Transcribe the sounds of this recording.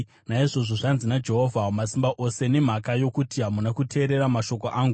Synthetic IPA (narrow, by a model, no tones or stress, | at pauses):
naiʐo̞ʐo̞ʐanzinad͡ʒe̞ɦo̞vʱaomasimbaʔo̞se̞ne̞m̤akajo̞kutiɦamunakutʰe̞ːɾe̞ɾamaʃo̞ko̞ʔaːŋɡu